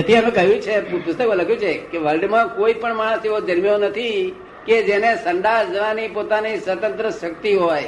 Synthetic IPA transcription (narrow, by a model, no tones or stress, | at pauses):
ət̪ʰiəmẽkəjũt͡ʃʰeppʊst̪əkmãləɡʱjũt͡ʃʰekeʋəlɖmãkoipəɳmaɽ̃əseʋod̪ʱəɾmijonət̪ʰi | ked͡ʒenesəɳɖad͡ʒəʋanipot̪anisʋət̪ə̃nt̪ɾəʃəkt̪iɦoj